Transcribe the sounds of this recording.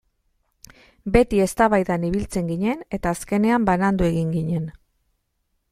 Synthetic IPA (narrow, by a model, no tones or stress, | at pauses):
be̞t̪ie̞st̪aβajðaniβ̞ilt͡se̞ŋɡiɲe̞ne̞t̪aːske̞ne̞ambanand̪ue̞ɣ̞iŋɡiɲe̞n